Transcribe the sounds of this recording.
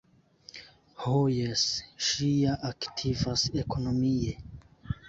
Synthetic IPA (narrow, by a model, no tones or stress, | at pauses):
hojesʃijaʔaktʰivase̞ko̞no̞mie